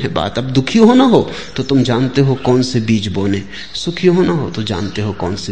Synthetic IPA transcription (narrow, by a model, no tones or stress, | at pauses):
ɦɛ̃ba̰ːt̪ɐb̚d̪ʊkʰijõɦonaɦo | t̪ot̪ʊmd͡ʒãːnt̪eɦokɔːnsebiːt͡ʃboːne | sʊkʰijõɦonaɦot̪od͡ʒã̰ːnt̪eɦokɔːnse